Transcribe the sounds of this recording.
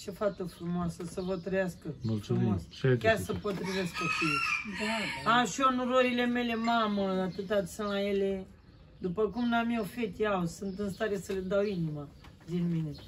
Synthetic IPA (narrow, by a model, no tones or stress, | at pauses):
t͡ʃefat̪əfɾumoasəsəvət̪ɾejaskəmulfummas | kʲarsəpot̪ɾiveskkofij | aʃioɨnuɾoɾile̞me̞le̞maməat̪ɨt̪asɨnajele | d̪upəkumnamjewfet̪jawsɨnt̪ɨnst̪aɾe̞səled̪awinimad̪inmine